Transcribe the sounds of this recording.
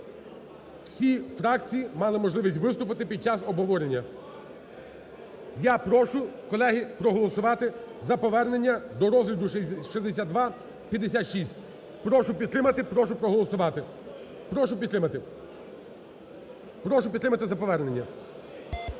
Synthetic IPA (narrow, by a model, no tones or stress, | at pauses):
w̥sʲifɾɑk̚t͡sʲijimɑlˠɪmɔʒlˠɪʋisʲtʲʋɪst̪ʊp̬ɪt̪ɪpʲid̪̚t͡ʃɑsɔbɦɔʋɔɾenʲːɐ | japɾɔʃʊkɔlˠɛɦipɾɔɦɔlˠɔsʊʋɑt̪ɪ | zɐpɔʋɛrne̞nʲːɐd̪ɔɾɔzɦlʲɐd̪ʊʃizd̪es̬ʲad̪d̪ʋɑ | pʲjɐd̪esʲat̪ʃisʲtʲ | pɾɔʃʊpʲid̪t̪ɾɪmɐt̪ɪpɾɔʃʊpɾɔɦɔlˠɔsʊʋɑt̪ɪ | pɾɔʃʊpʲid̪t̪ɾɪmɐt̪ɪ | pɾɔʃʊp̬ʲd̪ɾɪmɐt̪ɪzɐpɔʋɛrnenʲːɐ